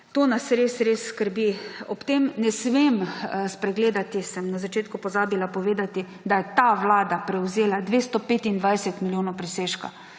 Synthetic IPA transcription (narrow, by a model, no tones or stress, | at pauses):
t̪oːnasɾesɾeːsskəɾbiɔpt̪emnɛsmemspɾɛɡleːd̪at̪isɛmnazat͡ʃeːt̪̚kʊpɔzaːbilapɔʋeːd̪at̪i | d̪ajɛt̪aʋlaːd̪apɾɛwzeːlad̪ʋeːst̪ɔpet̪ind̪ʋajsɛt̪miljoːnɔwpɾɛseːʃka̰